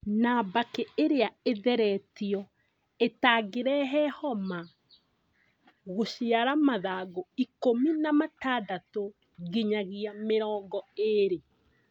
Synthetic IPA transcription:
nabakɛeɾeaeðɛɾɛtiɔ | etaːɡeɾɛɦɛhɔma | ɣoʃiaɾamaðaːɡoikominamataːdato | ɣiɲaɣiameɾɔːŋɡɔeɾe

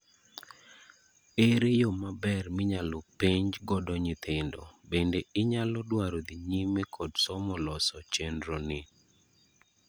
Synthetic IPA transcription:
eɾejomabɛrmɪɲalɔpeɲd͡ʒɡɔdɔɲit̪ʰɪndɔ̰bendeɪɲalɔdwaɾod̪iɲimekʰɔdsɔmɔlɔsɔt͡ʃendɾonɪ

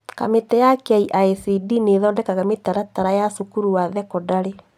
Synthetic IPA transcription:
ka̰metɛjakeaiʔaesidineðɔndɛkaɣametaɾataɾajasukuɾuwaðɛkɔdaɾe

